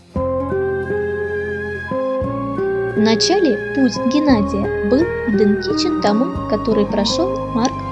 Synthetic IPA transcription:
vnɐt͡ɕalʲɪput͡sʲɡʲɪnad͡zʲɪjəbɨlˠd̪ɨnkʲit͡ɕɪnt̪amɨ | kɐt̪o̞ɾɨjpɾɐʂolˠ | mark

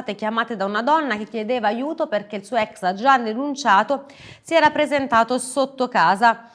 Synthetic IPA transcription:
t̪ekjamaːt̪ed̪aunad̪ɔnːak̟ekːjed̪eːvaːjuːt̪operk̟eilsuːoɛksad͡ʒad̪ːenunt͡ʃaːt̪o | siɛːɾapːɾezent̪aːt̪osot̪ːokaːza

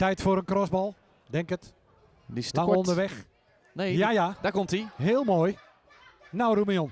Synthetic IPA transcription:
tɛjtfoːɾənkrɔsbɔlˠ | dɛŋkət | disaondəʋɛx | nejajadakomtiɦeəlˠmoːj | nawrumijon

